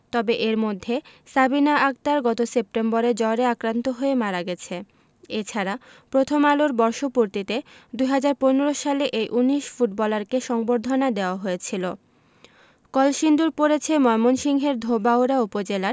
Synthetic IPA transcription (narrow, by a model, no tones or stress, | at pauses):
t̪ɔbeʔeɾmod̪ʱːesabinaʔak̚t̪aɾɡɔt̪osep̚ʈemboɾed͡ʑɔɾeakɾant̪oɦoemaɾaɡɛt͡ɕʰe | et͡ɕʰaɾapɾot̪ʰomaloɾbɔɾʃopuɾt̪it̪ed̪uɦad͡ʑaɾponeɾoʃaleʔejʔuniʃfuʈbɔlaɾkeʃɔŋboɾd̪ʱonad̪eoaɦojet͡ɕʰilo | kɔlʃind̪uɾpoɾet͡ɕʰemɔemonʃiŋɦeɾd̪ʱobaoɾaupod͡ʑelaɾ